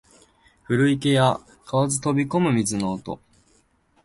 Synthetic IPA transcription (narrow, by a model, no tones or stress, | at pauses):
ɸɯ̟ɾɯ̟ike̞ja | kʰaβazɨt̪o̞bʲiko̞mɯ̟mʲizɨno̞ːt̪o̞̰